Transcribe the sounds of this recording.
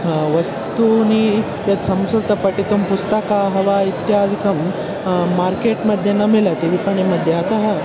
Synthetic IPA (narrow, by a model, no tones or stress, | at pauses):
ʋɐst̪uni | t̪et̪sɐmsɾt̪ɐpɐʈit̪umpust̪ɐkaɦɐʋait̪jaːd̪ʱikɐmː | aɾkeʈmɐd̪ʱjenːamilat̪iʋipɐɳemɐd̪ʱjeat̪ɐɦɐ